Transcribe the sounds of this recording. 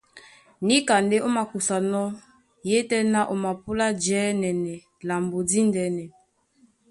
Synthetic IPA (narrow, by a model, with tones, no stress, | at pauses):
ni˦ka˨nde˦o˦ma˨ku˨sa˨nɔ˦ | je˦tɛ˦na˦ʔo˨ma˨pu˦la˦d͡ʒɛː˨˦nɛ˨nɛ˨ | la˨mbo˨di˦ndɛ˨˦nɛ˨